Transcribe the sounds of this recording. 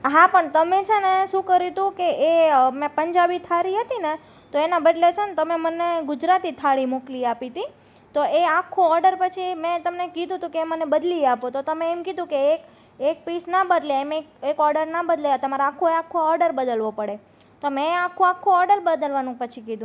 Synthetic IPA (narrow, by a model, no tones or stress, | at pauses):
ɦapəɳt̪əmet͡ʃʰeneʃũkəɾit̪ũkeʔemɛ̃pəɲd͡ʒabit̪ʰaɾiɦət̪ine | t̪oenabəd̪let͡ʃʰənet̪əmeməneɡʊd͡ʒɾat̪it̪ʰaɽimokliapit̪i | t̪oeakʰːũɔɾɖəɾpət͡ʃʰimɛ̃t̪əmnekid̪ʱũt̪ũkemənebəd̪lieapot̪ot̪əmẽːmkid̪ʱũkeek | ek̚pisnabəd̪leemekekɔɾɖəɾnabəd̪let̪əmaɾaakʰːueakʰːũɔɾɖəɾbəd̪əlʋopəɽe | t̪omɛ̃akʰːũakʰːũɔɾɖəɾbəd̪əlʋanũpət͡ʃʰikid̪ʱũ